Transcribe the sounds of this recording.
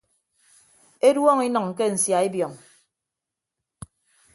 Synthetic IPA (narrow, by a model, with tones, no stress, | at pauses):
e˦dwɔ˦ŋi˦nɔ˨ŋ̩˨k̬e˦n̩˨sja˨e˦bjɔ˨ŋ